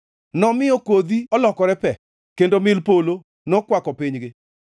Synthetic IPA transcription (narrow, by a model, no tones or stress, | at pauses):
nɔmɪɔkod̪iɔlɔkɔɾɛpɛ | kendomɪlpolo | nɔkwakɔpɪɲɡɪ